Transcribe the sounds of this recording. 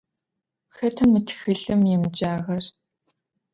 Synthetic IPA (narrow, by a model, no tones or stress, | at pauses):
xɐtʰɐmɨtʰxɨɮɨmjɪmd͡ʒaːʁɐr